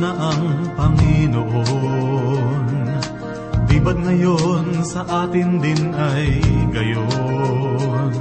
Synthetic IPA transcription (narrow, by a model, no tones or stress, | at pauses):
nɐʔɐŋpɐŋɪnoʔo | n | d̪iːbɐd̪̚ŋɐjonsɐʔaːt̪ɪnd̪ɪnʔɐjɡɐjo | n